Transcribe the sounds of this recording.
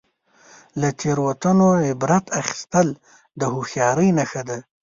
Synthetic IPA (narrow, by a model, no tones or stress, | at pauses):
lat̪ʰeɾwat̪ənoɪbɾat̪ʰaxɪ̥st̪əl | d̪əhuxjɑɾəjnaxad̪a